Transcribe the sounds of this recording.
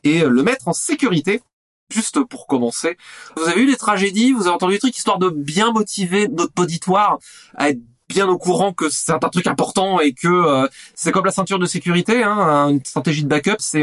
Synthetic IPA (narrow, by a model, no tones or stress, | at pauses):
eøləmɛt̪χɑ̃sekʲyʁit̪e | ʒyst̪puʁkɔmɑ̃sevuzaveylet̪χaʒed̪ivuzaveɑ̃t̪ɑ̃d̪ylt̪χyki̥st̪waʁd̪əbjɛ̃mɔt̪ʰivenɔt̪pɔd̪it̪waʁa̰ɛt̪χ | bjɛ̃nokuʁɑ̃kəsɛɛt̪ɛ̃t̪χykɛ̃pɔʁt̪ɑ̃ekəøsɛkɔmlasɛ̃t̪yʁd̪əsekʲyʁit̪eɛ̃ynst̪χat̪eʒid̪əbakʲœpsɛ